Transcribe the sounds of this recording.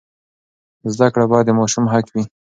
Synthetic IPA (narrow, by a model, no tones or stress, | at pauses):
zd̪akɽabɑjd̪əmɑʃʊmɦakwi